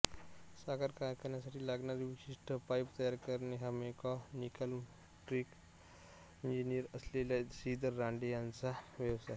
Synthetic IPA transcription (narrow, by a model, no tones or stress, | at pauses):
saɡaɾkajkəɾnjasaʈʰiːlaɡnaɾiʋiɕiʂʈʰəpajpt̪əjaɾkəɾneɦamekanikəlm | ʈɾik | ind͡ʑiniəɾəsleljasid̪ʱəɾːaɳɖejant͡saʋjəʋsa